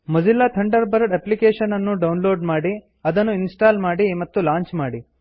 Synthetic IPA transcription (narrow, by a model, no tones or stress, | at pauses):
mɐd͡ʒilːat̪ʰɐɳɖɐɾbɐɾɖɐplikeːʂɐnɐnːuɖɐwnlo̞ːɖmaːɽi | ɐd̪ɐnːuinsʈaːlmaːɽimɐt̪ːulaːɲt͡ʃmaːɽi